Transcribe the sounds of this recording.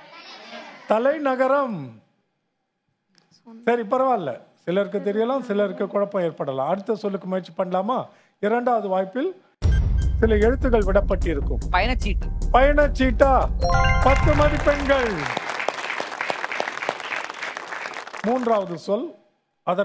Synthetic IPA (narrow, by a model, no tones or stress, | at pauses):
t̪ɐlɐɪnɐɣɐɾɐm | sɐɾip̬ɐɾɐʋaːɪlːɐ̰sɪlɐɾk̬ɯt̪̬ɛɾɪjɐlãːsɪlɐɾkɯkʊɻɐpːɐ̃eːɾpɐɽɐlã̰ːɐɽɯt̪ːɐsɔlːɯkːɯmʊjɐt͡ʃːɯ̥pɐɳːɐlaːmaː | ɪɾɐɳɖaːʋɐðɯʋaːjpːɪl | sɪlɐɛɻɯt̪ːɯɣɐɭʋɪɽɐpːɐʈːɪɾɯkːɯmpɐjɐnɐt͡ʃːiːʈːɯpɐjɐnɐt͡ʃːiːʈːaːpɐt̪ːɯmɐðipɛɳɡɐɭ | muːndraːʋɐðɯsɔl | ɐðɐ